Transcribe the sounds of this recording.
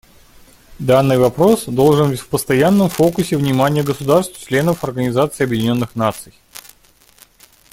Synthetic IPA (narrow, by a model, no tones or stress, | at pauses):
d̪anːɨjvɐpɾo̞sd̪o̞lˠʐɨnbtʲfpəst̪ɐjanːəmfokʊsʲɪvnʲɪmanʲɪjəɡəsʊd̪arst̪vt͡ɕlʲe̞nəfɐrɡənʲɪzat̪sɨɐbjɪdʲɪnʲo̞nːɨxnat̪sɨj